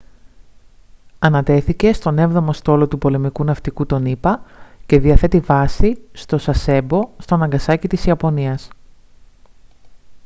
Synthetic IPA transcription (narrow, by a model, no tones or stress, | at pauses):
ɐnɐt̪e̞θice̞st̪o̞ne̞vðo̞mo̞st̪o̞lo̞t̪upo̞le̞mikunɐft̪ikut̪o̞nipɐce̞ðiɐθe̞t̪ivɐsist̪o̞sɐse̞bo̞st̪o̞nɐŋɡɐsɐcit̪isiɐpo̞niɐs